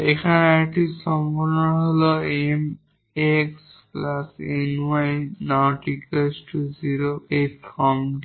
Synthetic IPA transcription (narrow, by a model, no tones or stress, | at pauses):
ekʰanaʈʰisɔmpɔɾnnɔɦolɔem | eks | plasenwajnɔʈikesʈʰuziɹoetkɔm